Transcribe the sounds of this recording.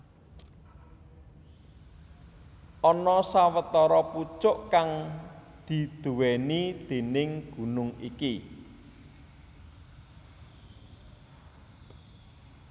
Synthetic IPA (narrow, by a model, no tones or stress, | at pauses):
ʔɔnɔsawət̪ɔɾɔput͡ʃʊʔkaŋ | d̪̥i̤d̪̥uwenid̪̥e̤nɪŋɡ̥ṳnʊŋḭki